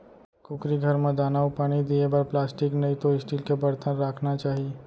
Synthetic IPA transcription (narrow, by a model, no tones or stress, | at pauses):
kʊkɾiɡʱəɾmẽd̪aːnaːupaːɽ̃id̪iebəɾplaːsʈiknəit̪oɪsʈiːlkebəɽt̪ənɾaːkʰnat͡ʃaːɦie